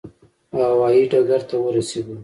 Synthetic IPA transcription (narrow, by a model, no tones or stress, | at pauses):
hawɑjiɖaɡaɾt̪awəɾaseɡ̪u